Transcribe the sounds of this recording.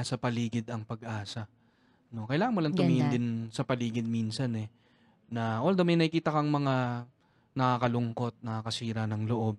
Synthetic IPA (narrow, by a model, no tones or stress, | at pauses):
sɐpɐliːɡɪd̪ɐŋpɐɡʔaːsɐ | no̞kɐjlaːŋɐnmʊlɐŋt̪ʊmiːhɪnd̪ɪnsɐpɐliːɡɪd̪̚minsɐnɛ | nɐwɐld̪omɐjnɐɪkiːt̪ɐkɐŋmɐŋa | nɐkakɐlʊŋko̞t̪̚nɐkakɐsiːɾɐnɐŋloʔo̞b̚